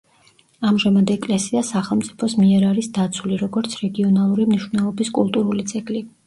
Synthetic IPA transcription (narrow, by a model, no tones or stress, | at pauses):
amʒamad̪ɛkʼlɛsiasaχɛlˠmt̪sʼi̥pʰɔsmiɛɾaɾisd̪at̪sʰuliɾɔɡɔɾt̪sʰɾɛɡiɔnalˠuɾimniʃvnɛlˠɔbiskʼulˠt̪ʼuɾulit̪sʼɛkʼli